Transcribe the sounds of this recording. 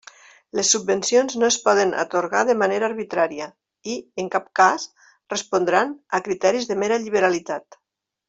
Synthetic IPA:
lesːubːensionznoespɔð̞əna̰t̪oɾɣaðəmaneɾaɾβit̪ɾaɾiə | ieŋkap̚kas | respond̪ɾanakɾit̪ɛɾizðemeɾaʎiβeɾalit̪at̪

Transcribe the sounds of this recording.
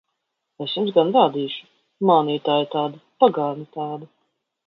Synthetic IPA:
esjumzɡanɾaːd̪iːʃu̥ | maːniːt̪aːjt̪aːd̪apaɡaːnit̪aːd̪a

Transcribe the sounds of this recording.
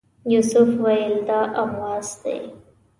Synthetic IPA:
jusʊfwajɪld̪ɑʔamɑzd̪ḛj

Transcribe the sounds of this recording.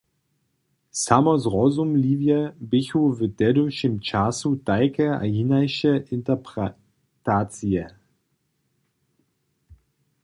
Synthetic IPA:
samɐsʁɔzumliːvjəbɪçuvəd̥ɛdʊʃɪmt͡ʃasutaɪkəa̰jinaɪʃəʔɪntəpʁ | taːt͡siə

